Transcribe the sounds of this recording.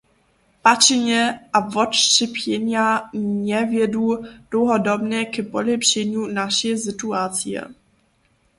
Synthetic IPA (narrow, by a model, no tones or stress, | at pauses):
pat͡ʃɪɲɛʔavɔtrɪpjɛɲaɲɛvjɛduːd̥lowɦodobnɛkɛpolɪpʃɛɲuːnaʃɛsɪt̪uat͡sijɛ̰